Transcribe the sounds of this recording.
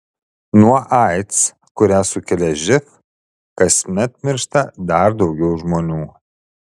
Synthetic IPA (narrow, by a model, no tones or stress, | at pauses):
nuɔʔɑɪt̪s | kʊɾʲæːsʊkʲɛlʲɛʒʲɪk | kɐsʲmʲɛt̪̚mʲɪɾʃt̪ɐd̪ɐɾd̪ɒʊɡʲɛʊʒmoːnʲuː